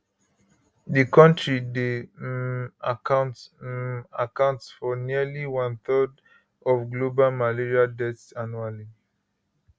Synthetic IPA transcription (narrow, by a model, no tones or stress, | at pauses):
dəkɔ̃ntʰɹide | akãʊ̃nt | akãʊ̃ntsfɔniəliwãnθɜd | ɔvɡlobalmaliɹiadɛtsanuali